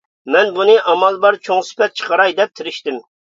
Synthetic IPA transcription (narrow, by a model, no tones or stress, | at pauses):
mɛnbunɨʔɑmɑlˠbɑɾt͡ʃʰoŋsɪ̥pɛt̪̚t͡ʃʰə̥qəɾɑjd̪ɛp̚t̪ʰɪɾɪʃt̪ɪm